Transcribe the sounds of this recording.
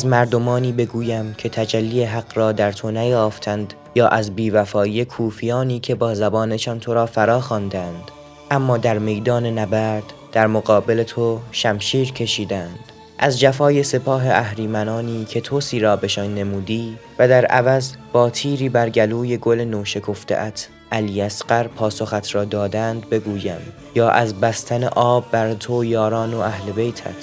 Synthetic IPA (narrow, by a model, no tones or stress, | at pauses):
æzmæɾd̪o̞mɒːniːbe̞ɡuːjæmcʰe̞t̪ʰæd͡ʒælːiːeɦæɡɾɒːd̪æɾt̪ʰo̞næjɒːft̪ʰænd̪ | jɒːʔæzbiːvæfɒːiːje̞kʰuːfijɒːniːcʰe̞bɒːzæbɒːneʃɒːnt̪ʰo̞ɾɒːfæɾɒːxɑːnd̪ænd̪̥ | ʔæmːɒːd̪æɾme̞jd̪ɒːne̞næbæɾd̪̥ | d̪̥æɾmoɣɒːbe̞let̪ʰo̞ʃæmʃiːɾcʰe̞ʃiːd̪ænd̪̥ | ʔæzd͡ʒæfɒːje̞se̞pʰɒːɦe̞ʔæhɾiːmænɒːniːcʰe̞t̪ʰosiːɾɒːbe̞ʃɒnːe̞muːd̪iːvæd̪æɾæ̰væzb̥ɒːt̪ʰiːɾiːbæɾɟæluːje̞ɡo̞lenoːʃe̞kʰo̞ft̪ʰḛʔæt̪ʰ | ʔæliːæsɢæɾpʰɒːso̞xæt̪ʰɾɒːd̪ɒːd̪ænd̪̚be̞ɡuːjæm | jɒːʔæzbæst̪ʰænḛʔɒːbːæɾt̪ʰojɒːɾɒːnoæhle̞be̞jt̪ʰæ̰t̪ʰ